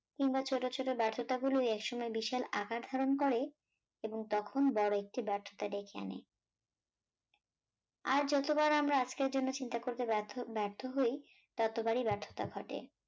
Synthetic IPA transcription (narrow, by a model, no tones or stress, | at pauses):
kiŋbat͡ɕʰoʈot͡ɕʰoʈobɛɾt̪ʰot̪aɡuloɛkʃɔmɔebiʃalakaɾd̪ʱaɾonkɔɾe | eboŋt̪ɔkʰonbɔɾoek̚ʈibɛɾt̪ʰːo̥t̪aɖekʰea̰nḛ | aɾd͡ʑɔt̪obaɾamɾaad͡ʑkeɾd͡ʑonːot͡ɕint̪akoɾt̪ebɛɾt̪ʰoɦoj | t̪at̪obaɾibɛɾt̪ʰo̥t̪a̰ɡʱɔʈḛ